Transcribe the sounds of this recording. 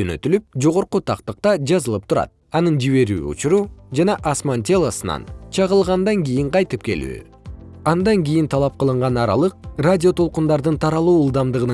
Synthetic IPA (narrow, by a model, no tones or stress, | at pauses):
ønø̞̰t̪ylyp̚d͡ʒo̞ʁo̞ɾqut̪ʰɑqt̪ɯq̚t̪ɑd͡ʒɑzɯlˠɯp̚t̪ʰuɾɑ̰t̪̚ | ɑnɯnd͡ʒiβe̞ɾy̰ːṵt͡ʃuɾud͡ʒɑnɑʔasmant̪ʲe̞lˠasɯnɑ̰nt͡ʃʰɑʁəlˠʁɑnd̪ɑŋɡʲijiɴqʰɑjt̪ɯp̚ke̞̰ly̰ː | ɑnd̪ɑŋɡʲijint̪ʰɑlˠɑp̚qəlˠɯɴʁɑnɑɾɑ̰lˠɯq̚radʲio̞t̪ʰo̞lˠqund̪ɑɾd̪ɯnt̪ʰɑɾɑlˠuːulˠd̪ɑmd̪ɯʁɯən